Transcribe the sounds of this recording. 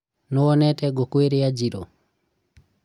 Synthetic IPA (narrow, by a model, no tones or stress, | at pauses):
nɔwɔnɛtɛɡɔkweɾijad͡ʒiɾɔ̰